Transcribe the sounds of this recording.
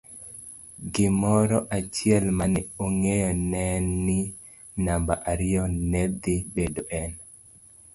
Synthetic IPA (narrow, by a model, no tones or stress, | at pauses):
ɡɪmɔɾɔʔat͡ʃɪɛlmanɪoŋejɔnɛnːɪ | nambaʔaɾɪjɔnɛd̪ibedoʔɛn